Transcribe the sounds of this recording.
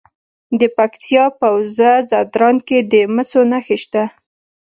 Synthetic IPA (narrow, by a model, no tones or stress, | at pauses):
d̪əpakt̪ʰjɑpawzazad̪ɾɑnked̪əməsonaxeʃt̪a